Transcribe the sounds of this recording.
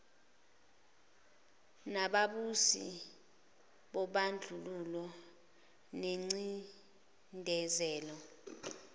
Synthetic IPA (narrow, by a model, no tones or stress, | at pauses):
naɓaɓusḭ | ɓɔɓand͡ɮʱululɔ | neŋ͡ǀi | ndʱɛzɛːlɔ